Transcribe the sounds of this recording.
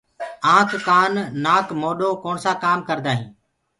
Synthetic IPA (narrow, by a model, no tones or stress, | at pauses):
ãːkʰːaːnːaːkmoːɗoːkoːɳsãːkaːmkəɾd̪aːɦĩː